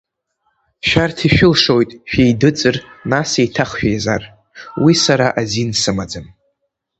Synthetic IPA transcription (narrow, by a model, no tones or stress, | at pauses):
ʃᶣartʰiʃᶣʊlʂo̞jtʼʃᶣejdɨt͡sʼɨrnasejtʰaχʃᶣajzar | wisaɾaʔazinsɨmad͡zɨn